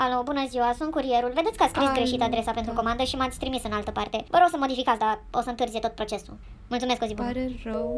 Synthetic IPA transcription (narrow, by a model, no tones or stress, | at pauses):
alobunəziwasunt̪kuɾie̞ɾulve̞d̪et̪ʲkəat̪sskɾisɡɾe̞ʃit̪ad̪ɾe̞sape̞nt̪ɾuko̞mand̪əʃimat̪sʲt̪ɾimisɨnalt̪əpart̪e̞vəɾo̞ɡsəmo̞d̪ifikat̪sd̪ao̰səɨnt̪ɨɾrziet̪o̞t̪̚pɾo̞t͡ʃe̞sṵ | mult̪umesko̞zibu